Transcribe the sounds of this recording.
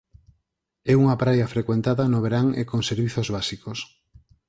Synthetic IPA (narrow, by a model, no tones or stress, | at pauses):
ɛuŋɐpɾajɐfɾekwent̪aðɐnoβeɾaŋḛkoŋseɾβiθozβasikos